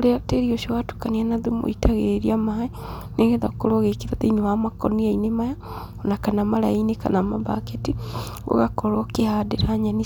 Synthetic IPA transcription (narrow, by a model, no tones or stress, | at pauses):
leateɾioʃowatu̥kanianaðumo̰itʰaɣeɾiamae | neɣɛðakoɾoɣekiðaðeinewamakɔniainemaja | onakanamaɾa̰ineka̰namaba̰keti | o̰ɣakɔɾokehadeɾaɲani